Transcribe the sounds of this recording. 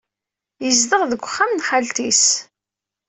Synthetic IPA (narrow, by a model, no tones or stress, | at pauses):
jəzd̪əʁðəɡʷːχːamnχalt̪is